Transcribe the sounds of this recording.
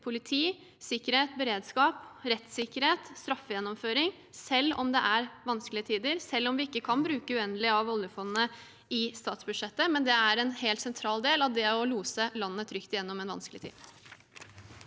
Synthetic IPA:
pʰʊlɪt̪ʰiː | sɪkːəɾheːt̪̚bəɾeːd̪skɑːpɾɛt̪sɪkːəɾheːt̪st̪ɾɑfːəjɛnːɔmføːɾɪŋ | sɛlːɔ̰md̪ɛʔæɾʋɑnskəlɪət̪ʰiːd̪əɾsɛlːɔmʋɪɪkːəkʰɑnbɾʉːkəʉɛnd̪lɪɑʋɔljəfɔnnə | ɪst̪ɑːt̪sbʉd̪ʂɛt̪ːəmɛnd̪ɛæɾɛnheːlt̪sɛnt̪ʰɾɑːld̪eːlɑʋd̪ɛɔluːsəlɑnːət̪ʰɾʏkt̪ɪjɛnːɔmɛnʋɑ̰nsklɪt̪ʰḭːd̪

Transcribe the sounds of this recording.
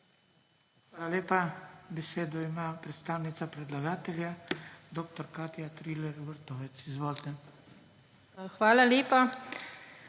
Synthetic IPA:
xʋaːlaleːpabɛseːd̪ɔimaːpɾɛt̪st̪aːwnit̪sapɾɛd̪laɡaːt̪ɛljad̪oːk̚t̪ɔɾkaːt̪jat̪ɾiːlɛɾʋɛɾt̪ɔːʋɛt̪sizʋoːlt̪ɛ | xʋaːlaleːpa

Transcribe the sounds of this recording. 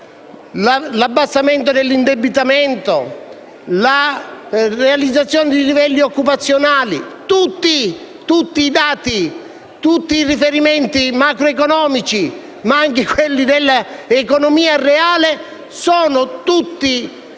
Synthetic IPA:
lalabːast̪ament̪̬od̪elːind̪ebit̪ament̪o | la | realid̪zːat̪sːjɔːnɪd̪ilivɛlːiɔkːupat̪sːjonaːlit̪ut̪ːi | t̪ut̪ːiːd̪aːt̪i | t̪ut̪ːiːrifeɾimɛnt̪imakɾoekɔnɔːmit͡ʃi | maaŋkekwelːid̪elːaekɔnɔmiːareaːle | sɔːnʊt̪ut̪ːi

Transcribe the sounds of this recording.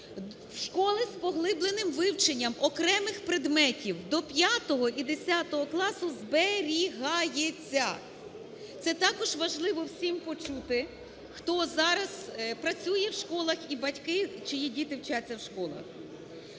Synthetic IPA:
wʃkɔlˠɪspɔɦlˠɪblˠenɪmʋɪwt͡ʃenʲːɐmɔkɾɛmɪxpɾed̪mɛtʲiwd̪ɔpʲjat̪ɔɦɔʔid̪esʲat̪ɔɦɔklˠɑsʊzbeɾʲiɦɑjet͡sʲːɐ | t̪sɛt̪ɑkɔʒʋɐʒlˠɪʋɔwsʲimpɔt͡ʃut̪ɪ | xt̪ɔzɑɾɐspɾɐt͡sʲujɛwʃkɔlˠɐxibɐtʲkɪt͡ʃɔjidʲit̪ɪwt͡ʃat͡sʲːɐwʃkɔlˠɐ̰x

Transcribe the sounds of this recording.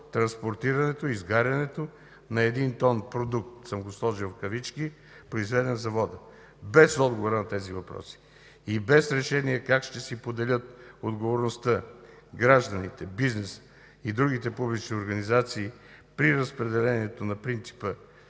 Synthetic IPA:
t̪ɾɐ̃nspoɾt̪iɾɐnɛt̪oizɡaɾʲɐnɛt̪o | nɐɛd̪int̪ɔnpɾod̪uk̚t̪səmɡoslˠɔʒilˠfkɐvit͡ʃki | pɾoizvɛd̪ɛnzɐvɔd̪ə | bɛsɔd̪ɡovoɾənɐt̪ɛzivɐpɾɔ̰si̥ | ibɛsɾɛʃɛniɛkakʃt̪ɛsipod̪ɛlʲət̪̚od̪ɡovoɾnost̪ə | ɡɾaʒd̪ɐnit̪ɛbiznɛs | id̪ɾuɡ̟it̪ɛpublit͡ʃnioɾɡɐnizat̪siː | pɾiɾəspɾɛd̪ɛlɛniɛt̪onɐpɾint̪si̥pə

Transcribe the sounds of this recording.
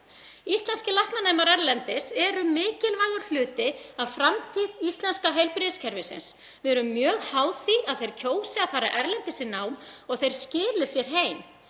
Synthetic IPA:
ist̪lɛnscɪlahpnaneːjmaɾɛɾlɛnt̪ɪsɛɾʏmɪːcɪlvaːjɣʏɾ̥fl̥ʏːt̪ɪaðfɾamt̪ʰiːðist̪lɛnskaɦejlpɾɪðscʰɛɾvɪsɪ̰ns | vɪɛɾʏmːjœːɣhaːwθiaðθejɾ̥cʰoːwsɪaðfaːɾa̰ʔɛɾlɛnt̪ɪsɪnawmɔɣθejɾ̥scɪːlɪsjɛɾ̥ɦeːjm

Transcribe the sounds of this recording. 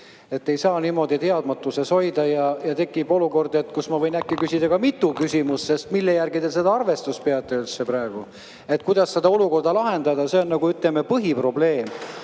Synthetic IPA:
e̞t̪ːe̞jsɑːniːmo̞d̪it̪e̞ɑd̪mɑt̪ːˑuse̞sho̞jd̪̥ɑjɑjɑt̪e̞kːˑibo̞luko̞rd̪e̞t̪ːkusmɑvɤ̞jnækːikysʲid̪̥ɑkɑmit̪ːˑukysʲimusse̞st̪milːejærɡit̪e̞s̬e̞d̪ɑɑrve̞st̪ust̪̚pe̞ɑt̪ːˑeyt̪seprɑeɡ̥u | e̞t̪̚kujd̪ɑsse̞d̪ɑo̞luko̞rd̪̥ɑlɑɦe̞nd̪ɑd̪ɑse̞o̞nnɑɡ̥uyt̪lemepɤɦipro̞ble̞ːm

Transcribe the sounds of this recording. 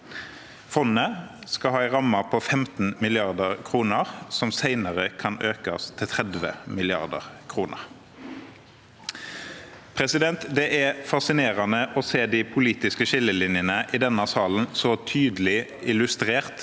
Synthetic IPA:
fɔnəskɑhɑːɪʁɑmːɑpʰɔfɛmt̪n̩mɪlɪɑʁd̪əʁkʰʁuːnəʁsɔmsæɪnəʁəkʰɑnøːkɑst̪ʰːɪlt̪ʰʁɛd̪ʋə̰mɪlɪɑ̰ʁd̪ə̰ʁkʰʁuːnə̰ʁ | pʰʁɛsɪd̪ɛnt̪d̪ɛʔæfɑsɪneːʁɑnəʔɔseːd̪ɪpʰʊliːt̪ɪskəʃɪlːəlɪnjənəʔid̪ɛnɑsɑːln̩sɔt̪ʰyːd̪əl̩ɪɪlʉst̪ʁeːʁt̪

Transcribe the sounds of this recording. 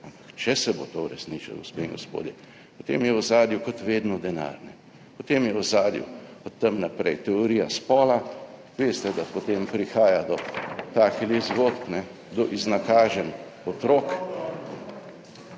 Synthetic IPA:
ampakt͡ʃɛsɛbot̪ouɾɛsniːt͡ʃa̰lɡospeːŋɡospo̰ːd̪jɛ | pɔt̪ḛːmjɛwzaːd̪jukɔt̪ʋeːd̪nɔd̪ɛna̰ɾnɛ | pɔt̪eːmjɛwzaːd̪jṵɔt̪ːɛmnapɾɛjt̪ɛoɾiːjaspɔːla | ʋeːst̪ɛd̪apɔt̪empɾixaːjad̪ɔt̪akɛlizɡoːt̪pnɛ | d̪ɔʔiznakaːʒɛn | ɔt̪ɾoːk

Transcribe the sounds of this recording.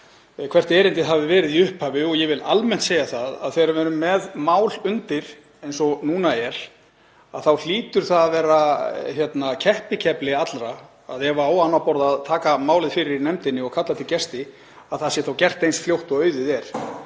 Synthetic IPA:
kʰv̥ɛr̥t̪ɛːɾɪnt̪ɪɦavɪvɛːɾɪðiʏhphavɪɔɣjɛvɪlʔalmɛn̥t̪sejaθaða̰ðθejɾʏvɛːɾʏmːɛðmaːwlʏnt̪ɪɾ̥ | ejnsɔnuːnaɛɾ̥ | aðθawl̥iːt̪ʏɾ̥θaððvɛːɾaçjɛt̪nacʰɛhpɪcʰɛplɪat̪lɾaː | ðɛvaaːwanːawpɔɾðaːðt̪ʰaːkamaːwlɪðfɪɾɪɾinɛmt̪ɪnːɪɔɣkʰat̪lat̪ʰɪlcɛst̪ɪ | aðθaðsjɛθawcɛr̥t̪ejnsfljowht̪ɔœːɥðɪðɛɾ̥

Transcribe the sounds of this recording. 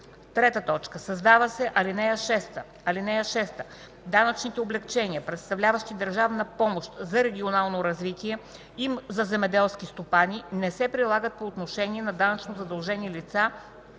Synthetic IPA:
t̪ɾɛt̪ət̪ɔt͡ʃkəsɐzd̪avəsɛʔɐlinɛjəʃɛst̪ə | ɐlinɛjəʃɛst̪ə | d̪anət͡ʃnit̪ɛoblɛkt͡ʃɛniəpɾɛt̪st̪ɐvlʲavəʃt̪id̪ɐɾʒavnɐpɔmoʃt̪zɐɾɛɡ̟ʲionalˠnoɾɐzvit̪iɛ | imzɐzɛmɛd̪ɛlˠskist̪opanʲinɛsɛpɾilˠaɡət̪̚poːt̪noʃɛniɛnɐd̪anɐt͡ʃnozɐd̪ɐlˠʒɛnilit̪sa

